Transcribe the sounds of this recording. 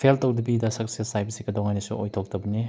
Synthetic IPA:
pʰeltɐwdɐbidɐsɐksesajpsikɐdoŋajnɐsṵʔojt̪ʰok̚tɐbɐni

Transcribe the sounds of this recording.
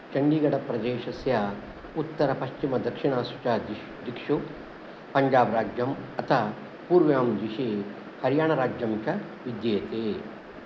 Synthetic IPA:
t͡ʃɐɳɖiɡɐɽɐpɾɐd̪eːʃɐsja | ut̪ːɐɾɐpɐʃt͡ʃimɐd̪ɐkʂiɳ̃aːsut͡ʃa | d̪ikʃu | pɐɲd͡ʒaːbɾaːd͡ʒjɐmɐt̪ʰa | puːɾʋjaːmd̪iʃe | hɐɾjaːɳɐɾaːd͡ʒjɐmt͡ʃɐ | ʋid̪jeːt̪eː

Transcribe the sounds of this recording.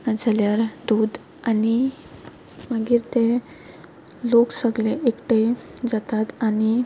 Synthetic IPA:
nad͡zʱaljaɾd̪ud̪ | ani | məɡiːɾt̪ẽ | loksəɡleʔekʈed͡zat̪at̪ani

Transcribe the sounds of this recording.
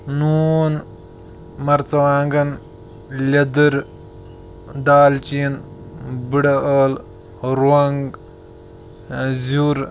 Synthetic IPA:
nuːn | mɐɾt͡sɐʋaːŋɡɐn | lʲɐd̪ɨɾ | d̪aːlt͡ʃinbɨɽɐəːl | ɾɐŋɡ | zuɾ

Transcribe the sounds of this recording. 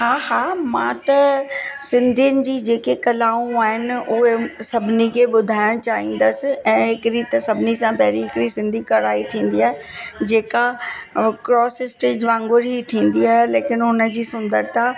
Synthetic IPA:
haːɦaːmã̰t̪ɐsɪ̃nd̪ʱijʊnɪ̆d͡ʑiːd͡ʑeːkekɐlaːũaːɦɪnɪ̆ʊɦesɐbʱɪnikʰeːɓʊd̪ʱaːɪɽ̃t͡ɕaːɦĩːn̆d̪əsɪ̆ɛ̃ːɦɪkɪɾit̪ɐsɐbʱɪnisãpɐɦɪɾiɦɪkɾisɪ̃nd̪ʱikɐɾaːit̪ʰĩːn̆d̪iaːɦe | d͡ʑeːka | kɾɔːsɪsʈɪd͡ʑʋãːŋɡʊɾit̪ʰĩːnd̪iaːɦeleːkɪnɦʊnəd͡ʑiːsʊ̃nd̪əɾt̪a

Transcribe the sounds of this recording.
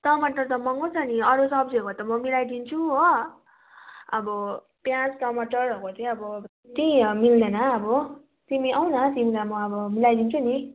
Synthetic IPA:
tʌmʌʈʌrt̪ʌmʌŋɡot͡sʰʌniʌɾusʌb̚d͡ziʌkot̪ʌmʌmilajd̪int͡sʰuɦo | ʌbʌ | pjãt͡sʈʌmʌʈʌrɦokot̪ʰeʌbʌ | t̪imild̪ʌnʌʌbʌ | t̪imiʔʌw̃nʌt̪imilamʌːbʌmilajd̪int͡sʰuni

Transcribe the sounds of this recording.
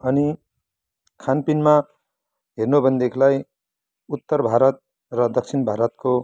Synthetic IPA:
ʌni | kʰanpinma | ɦernobʱʌnd̪ekʰlaj | ut̪ːʌrbʱaɾʌt̪̚ | rʌd̪ʌk̚t͡sʰinbʱaɾʌt̪ko

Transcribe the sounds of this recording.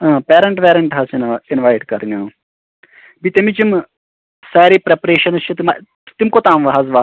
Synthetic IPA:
ãːpɛːɾəɳʈpɛːɾəɳʈɦat͡ʃnaɪnʋaːɪʈkəɾnãː | bit̪ɪmĩt͡ʃɪm | saːɾiːpɾɛpɾeːʃənt͡ʃʰːt̪ɪma | t̪ɪmkoːt̪ãːmʋaɦəzʋaː

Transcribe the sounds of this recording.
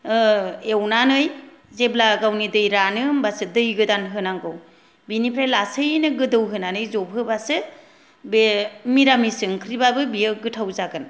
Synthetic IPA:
ewnanɯj | zeblaɡawnidɯjɾanɯmbasɯdɯjɡɯdanɦɯnaŋɡɯw | binipʰɾajlasɯjnɯɡɯdɯwɦɯnanɯjzɔb̚ʱʰɯbasɯ | bemiɾamisɯŋkʰɾibabɯbijɯɡɯtʰawzaɡɯn

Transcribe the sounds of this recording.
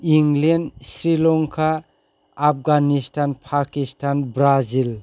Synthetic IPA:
iŋlensɾilɔŋkʰaː | p̚ɡanistʰanpʰakistʰanbɾazil

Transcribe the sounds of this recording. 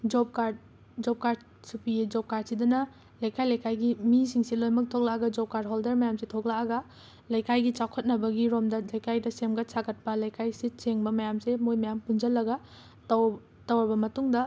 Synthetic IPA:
d͡ʒop̚kaɾd | d͡ʒop̚kaɾd | supid͡ʒop̚kaɾd̚sidɐnɐ | lajkʰajlajkʰajɡimisiŋsilojmɐk̚tʰok̚laaɡɐd͡ʒop̚kaɾd̚ɦoldeɾmɐjamsetʰok̚laːɡɐ | lɐjkʰajɡit͡ʃawkʰɐt̚nɐbɐɡiɾomdɐlɐjkajdɐsemɡɐsʰakɐt̚pɐlɐjkʰajsit͡ʃeŋbɐmɐjamsemojmɐjampund͡ʒɐlːɐɡɐ | t | tɐwɐbɐmɐtuŋdɐ

